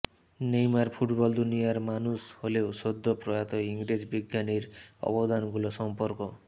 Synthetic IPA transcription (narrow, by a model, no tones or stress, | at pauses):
nejmaɾpʰuʈbɔld̪unijaɾmanusholewsod̪ʱːɔpɾɔjat̪ɔiŋɡɾed͡ʒbiɡjaniɾɔ̰bɔd̪anɡulɔsɔmpɔɾkɔ